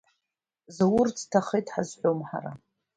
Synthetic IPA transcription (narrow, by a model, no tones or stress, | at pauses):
zawʊrt͡sʰtʰaχejtʰħazħʷomħa̰ɾa̰